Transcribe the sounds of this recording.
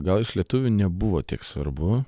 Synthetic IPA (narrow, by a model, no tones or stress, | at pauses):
ɡɐlˠɪʃlʲiɛt̪ʊʋʲuːnʲɛbʊʋoːt̪ʲiɛksʋɐ̰ɾbʊ